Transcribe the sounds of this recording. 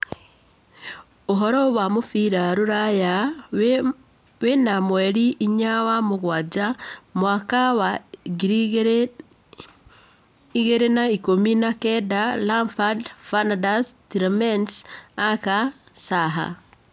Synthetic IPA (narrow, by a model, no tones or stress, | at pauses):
oɦɔɾɔβwamufiɾaɾuɾaja | wenamweɾiʔːɲawamuɣwad͡ʒamwaːkawaɡiɾ | iɣeɾenaikominakedalamfadfanadastiɾmensaka | saɦa̰